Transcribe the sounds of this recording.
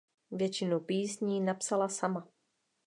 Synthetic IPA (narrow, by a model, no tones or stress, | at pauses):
vjɛt͡ʃɪnupiːsɲiːnapsalasama